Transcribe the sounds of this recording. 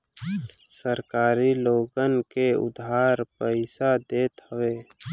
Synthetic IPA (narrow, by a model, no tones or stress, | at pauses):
səɾkaːɾiloːɡənkeʊ̰d̪ʱaːɾpəɪsad̪eːt̪həʋeː